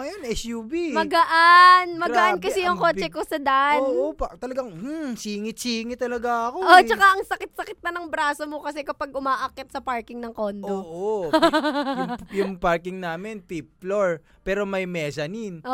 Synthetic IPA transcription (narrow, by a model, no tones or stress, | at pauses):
ŋɐjonɛsjubimɐɡɐʔanmɐɡɐʔankɐsɛjʊŋko̞ːt͡ʃɛkosɐd̪aʔopt̪ɐlɐɡaŋ̩siːŋɪt͡ʃiːŋɪt̪ɐlɐɡaʔɐkoʔot͡ʃɐkaʔɐŋsɐkɪt̪̚sɐkɪt̪̚nɐnɐŋbɾaːsomokɐsɛkɐpaɡ̚ʔʊmaːʔɐkɛt̪̚sɐpaɹkɪŋnɐŋko̞nd̪oʔo | jʊŋpaɹkɪŋnaːmɪnp̪ip̚loɹ | pɛːɾo̞mɐjmɛːsɐnin